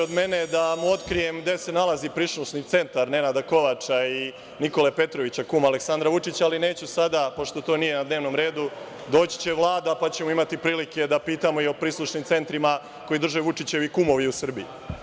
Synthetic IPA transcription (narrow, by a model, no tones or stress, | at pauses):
od̪me̞ne̞d̪amuo̞t̪kɾije̞md̪e̞se̞nalazipɾisluʃnit̪se̞nt̪aɾne̞nad̪ako̞ʋat͡ʃai | niko̞lepe̞t̪ɾoʋit͡ɕakuːmale̞ksand̪ɾaʋut͡ʂit͡ɕaaline̞ːt͡ɕusad̪apo̞ʃt̪o̞t̪o̞ːnije̞nad̪ne̞ːʋno̞mɾe̞ːd̪u | d̪o̞ːt͡ɕi̥t͡ɕe̞ʋlˠaːd̪apat͡ɕe̞moimat̪ipɾiːlike̞d̪apiːt̪amo̞io̞pɾiːslˠuʃnimt̪se̞nt̪ɾima | ko̞jid̪r̩ʒeʋut͡ʂit͡ɕe̞ʋikumo̞ʋiusr̩bii